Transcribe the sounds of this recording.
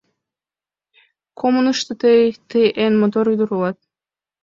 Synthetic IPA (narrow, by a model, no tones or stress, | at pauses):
kʰomunəʃt̪ə̆t̪əjt̪ejʔenmot̪oɾyd̪uɾulɑt̪̚